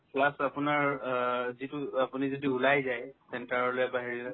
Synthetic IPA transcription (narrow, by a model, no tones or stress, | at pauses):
pʰlasapʊnaɹ | zituapunizɔdiulajzajsɛntaɹɔlojbaɦiɹilɛ